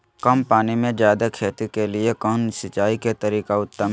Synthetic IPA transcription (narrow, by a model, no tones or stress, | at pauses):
kɐmpaːnimẽd͡ʒjaːd̪akʰeːt̪ikeliekənsɪt͡ʃaːiket̪ɐɾiːkaʊt̪ːəm